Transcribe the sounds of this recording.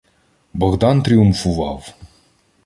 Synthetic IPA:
bɤ̆ʁd̪ɑnt̪rʲiumfuvɑ̰w

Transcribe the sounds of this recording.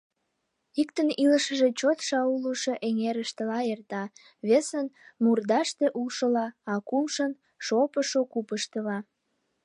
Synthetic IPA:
ikt̪əniləʃəʒe̽t͡ɕot̪ʃɑuluʃoʔeŋeɾəʃt̪əlɑert̪ɑ | βesənmurd̪ɑʃt̪eʔulʃəlɑɑkumʃən | ʃopəʃokupəʃt̪əlɑ

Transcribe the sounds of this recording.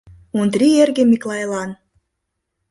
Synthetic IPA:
und̪rierɣemiklˠɑjlɑn

